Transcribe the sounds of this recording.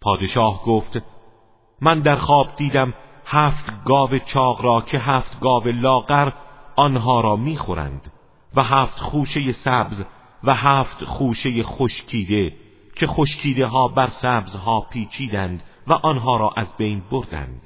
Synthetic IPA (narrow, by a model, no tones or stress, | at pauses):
pʰɒːd̪e̞ʃɒːhɡoːft̪ | mænd̪æɾxɒːbd̪iːd̪æmhæːft̪ɡɒːve̞t͡ʃʰɒːɣɾɒːcʰe̞ɦæːft̪ɡɒːve̞lɒːɣæɾɒːnɦɒːɾɒːmiːxoɾæ̰nd̪̥ | væɦæːft̪xuːʃeje̞sæːbz | væɦæːft̪χuːʃejexoʃcʰiːd̪e̞ | cʰe̞xoʃkʰiːd̪e̞ɦɒːbæɾsæːbzɦɒːpʰiːt͡ʃʰiːd̪ænd̪væʔɒːnɦɒːɾɒːʔæzbe̞jnboɾd̪æ̰nd̪̥